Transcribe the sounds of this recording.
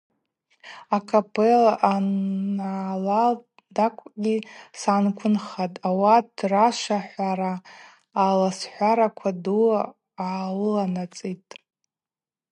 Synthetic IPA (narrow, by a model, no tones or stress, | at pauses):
akʰapʼʰelaʔa | ala | dakʷʼɡʲisankʷʰʊnχatʼawadraʃʷaħʷaɾaː | lasħʷaɾakʷʰadu | awɨlanat͡sʼitʼ